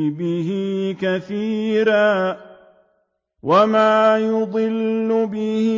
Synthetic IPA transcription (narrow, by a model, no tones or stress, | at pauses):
bɪɦɪkaθiːɾaː | wamaːjʊd̪ˤɨlːʊbɪhɪ